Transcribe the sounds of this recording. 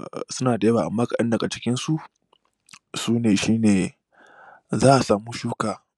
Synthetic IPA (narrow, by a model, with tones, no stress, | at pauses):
sʊ˦naː˨da˨˦waː˨ʔa̰˨mːaː˦kɐ˨ɗɐ˦ndɐ˨ɡa˨t͡ʃɪ˦kʲɪ˦nsu˦˨ʔ | suː˦neː˨ʃiː˦neː˨ | zaː˦ʔa˨saː˨muː˦ʃuː˦kaː˨